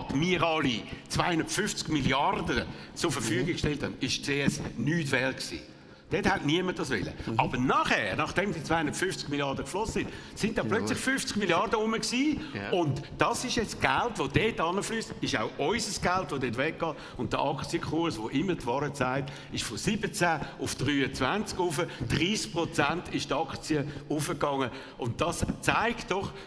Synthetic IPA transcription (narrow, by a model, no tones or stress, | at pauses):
tmiəʁɑlit͡svaɪhʊnd̥̪ətfʏft͡skmiljɑrdət͡sʊɾfəfyəɡikʃtɛlthanɪʃt͡seːɛsnyːtvɛlt̚ksḭː | d̥eːthɛtniəmət̚dɑsvɛ̰lə̰ɑbənɑχɛːɾnɑχd̥ɛmdit͡svaɪhʊndə̥tfyft͡skmiljɑɾdəkflɔsəsɪn | sɪnt̚dɑːplœt͡slɪχfyft͡skmiljɑrdəʊməksiːʊntd̥ɑsɪʃjɛt͡sɡ̥altʋod̥eːtɑnəflyːstɪʃa̰ʊʔɔʏsəsɡ̥altvodeːt̬vɛkɡɑːt | ʊnt̚d̥əʔɑkt͡siəkχuɾsʋoʔɪmːətvɑːɾət͡saɪt | ɪʃfosɪbət͡sæːʊfd̥ʁyːət͡svænt͡skufəd̥ʁiːsk̚pʁɔt͡sæntɪʃtɑkt͡siəufəkɑŋːə | ʔʊntd̥ɑst͡saɪktd̥ɔχ